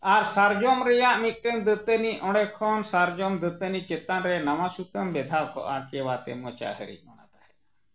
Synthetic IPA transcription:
aɾsaɾd͡ʒɔmɾɛjaʔmit̪̚ʈənd̪ət̪əniʔɔ̃ɽɛkʰɔnsaɾd͡ʒɔmd̪ət̪ənit͡ʃɛt̪anɾɛnɐʋasuk̪əmbɛd̪ʱawkɔ̰ʔakɛwat̪ɛ̰mɔt͡ʃa̰ɦə̰ɾḭmɔɽ̃a̰t̪ahɛ

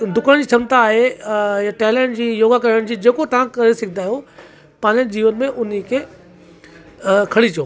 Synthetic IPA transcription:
d̪ʱʊkəɽ̃d͡ʑiːt͡ɕʰɐmt̪aːɦejaʈɛːleɳʈd͡ʑiːjoːɡakɐɾəɽ̃d͡ʑiːd͡ʑeːkot̪ɐʋ̤ãkɐɾesɪɡʱʰd̪aːɦjo | pãːɲd͡ʑəd͡ʑiːʋənmẽʔʊnikʰeː | kʰɐɽit͡ɕioː

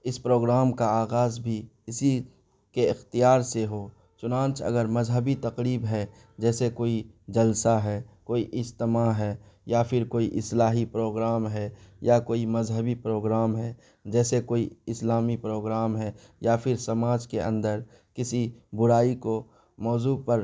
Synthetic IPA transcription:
ɪspɾoːɡɾaːmkaaːɣaːzbʱiɪsi | keɪxt̪ijaːɾseɦoː | t͡ʃʊnãːnt͡ʃɐ̰ɡəɾmɐzɦəbit̪ɐqɾiːbɦɛ | d͡ʒɛːsekoːi | d͡ʒɐlsaɦɛkoːiʔɪd͡ʒt̪ɪmaɦɛːjapʰɪɾkoːiʔɪslaːɦipɾoːɡɾaːmɦɛjakoːimɐzɦəbipɾoːɡɾaːmɦɛ | d͡ʒɛːsekoːiɪslaːmipɾoːɡɾaːmɦɛ | japʰɪɾsɐmaːd͡ʒkeʔə̰̃nd̪əɾ | kɪsibʊɾaːiko | mɔːzuːpəɾ

